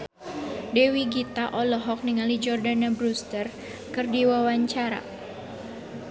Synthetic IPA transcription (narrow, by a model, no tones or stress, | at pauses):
dɛwiɡit̪aʔɔlɔɦɔk̚niŋalid͡ʒɔrdanabɾust̪ər | kɨrdiwawaɲt͡ʃaɾa̰